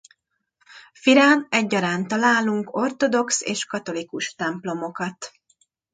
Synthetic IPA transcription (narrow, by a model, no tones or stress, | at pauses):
fiɾaːnɛɟːɒɾaːnt̪ɒlaːluŋko̞rt̪o̞d̪o̞ksḛːʃkɒt̪o̞likuʃt̪ɛmplo̞mo̞kɒt̪